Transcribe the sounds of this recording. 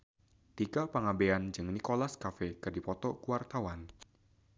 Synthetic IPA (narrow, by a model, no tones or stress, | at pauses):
t̪iɡapaŋabeand͡ʒɨŋnikolaskafɛkɨrdipɔt̪ɔkuwart̪awan